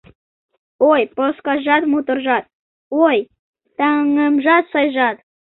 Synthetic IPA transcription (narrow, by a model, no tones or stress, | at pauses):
ojposkɑʒɑt̪mut̪ərʒɑt̪̚ | oj | t̪ɑŋəmʒɑt̪sɑjʒɑt̪